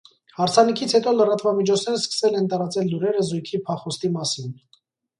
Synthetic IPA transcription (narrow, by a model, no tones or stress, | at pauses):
hɑɾt͡sʰɑnikʰit͡sʰhɛt̪ɔlərɑt̪vɑmit͡ʃʰɔt͡sʰnɛɾəskə̥sɛlɛnt̪ɑɾɑt͡sɛlːuɾɛɾəzujkʰipʰɑχɔst̪imɑsin